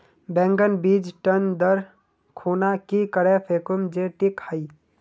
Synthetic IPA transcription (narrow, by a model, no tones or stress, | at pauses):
bɛ̃ŋɡənbid͡ʒʈənd̪əɾ | kʰonakikəɾepʰekumd͡ʒeʈikhəɪ